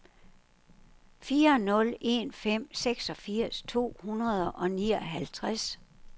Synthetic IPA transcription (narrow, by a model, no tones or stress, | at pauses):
fiːɐnɔ̽le̝nfem̰seɡ̥sɒ̽fiɐ̰st͡sʰo̝̰ːhunɐð̞ˠɐʔɒ̽niːɒɦælt͡sʰʁas